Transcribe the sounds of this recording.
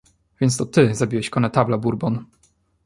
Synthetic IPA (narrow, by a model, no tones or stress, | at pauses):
vʲjɛnst̪ɔt̪ɘzabʲiwɛɕkɔnɛt̪ablabuɾbɔn